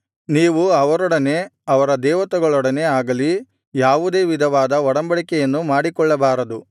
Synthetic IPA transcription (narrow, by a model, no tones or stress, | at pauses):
niːʋuɐʋɐɾɔɽɐne̞ɐʋɐɾɐd̪ɛːʋɐt̪ɐɡɐɭɔɽɐne̞aːɡɐli | jaːʋud̪e̞ːʋid̪ʱɐʋaːd̪ɐɔɽɐmbɐɭikɛjɐnːumaːɽikɔɭːɐbaːɾɐd̪u